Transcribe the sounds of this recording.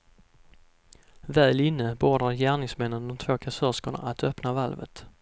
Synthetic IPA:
vɛːlɪnːəboːɖaɾjæːɳɪŋsmɛnːənd̪ɔmt̪ʰv̥oːkʰasœskʊɳa̰ʔat̪œpnavalvə̰t̪

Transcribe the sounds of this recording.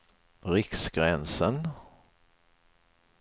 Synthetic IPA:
ɾɪksɡɾɛnsən

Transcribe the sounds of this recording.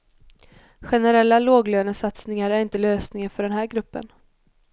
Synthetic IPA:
ɧɛnɛɾɛlːaloːɡløːnəsat̪snɪŋaɾæɾɪnt̪əløːsnɪŋənfœɖɛnɦæːɾɡɾɵpːə̰n

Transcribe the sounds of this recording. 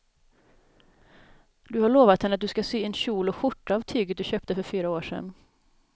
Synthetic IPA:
d̪ɵhaɾɭoːvat̪hɛnːəat̪̚d̪ɵskasyːɛnɕuːlɔɧʊʈːaːvt̪ʰyːɡət̪̚d̪ɵɕœːp̚t̪əfœɾfyːɾaoːʂɛ̰n

